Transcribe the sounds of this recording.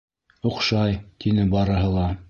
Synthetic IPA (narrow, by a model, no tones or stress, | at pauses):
ŏqʃɑjt̪ʰinɘbɑɾɤ̆ɦɤ̆lˠɑ